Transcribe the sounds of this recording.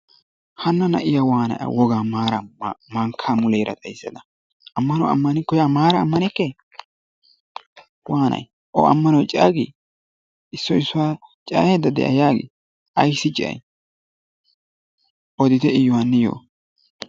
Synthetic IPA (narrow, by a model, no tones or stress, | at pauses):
hɐnːɐnɐ̰ʔɪjawaːnɐ̰ʔɐ̰wɔɡaːmaːɾɐmɐŋkʰːaːmʊleːɾɐ̰t̪ʼɐjsːɛ̰d̪ɐ | ʔɐmːɐnɔwɐ̰mːɐnɪkːɔjaːmaːɾɐmːɐnɛkːɛ | waːnɐ̰j | ʔɔ̰ɐ̰mːɐnɔwt͡ʃʼa̰ːɡḭ | ɪsːɔɪsːʊwaːt͡ʃʼa̰ːjed̪ːɐd̪ɛ̰ʔɐ̰jaːɡɪ̰ | ʔɐjsːɪt͡ʃʼɪʔɐ̰j | ʔɔd̪ɪt̪ɛɪjːʊwanːɛjo̰ː